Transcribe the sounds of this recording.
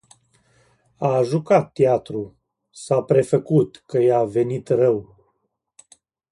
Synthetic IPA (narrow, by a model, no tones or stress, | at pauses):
aʒukat̪ːjat̪ɾu | sapɾe̞fəkut̪kəjave̞nit̪rəw